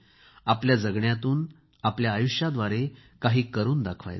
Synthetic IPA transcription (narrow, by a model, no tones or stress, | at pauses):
apljad͡zəɡɳjat̪uːn | apljaːjuɕjad̪ʋaɾekaɦiːkəɾuːnd̪akʰʋa̰j